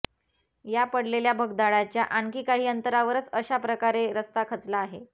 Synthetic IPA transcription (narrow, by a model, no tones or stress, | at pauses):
japəɽleljabʱəɡd̪aɭat͡ɕjaʔaŋkiːkaɦiːənt̪əɾaʋəɾət͡səɕapɾəkaɾeɾəst̪akʰət͡slaːɦe